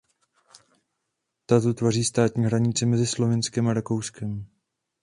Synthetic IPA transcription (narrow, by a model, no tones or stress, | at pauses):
t̪at̪ot̪variːst̪aːt̪ɲiːɦɾaɲɪt͡sɛmɛzɪslo̞vɪnskɛmaɾako̞wskɛm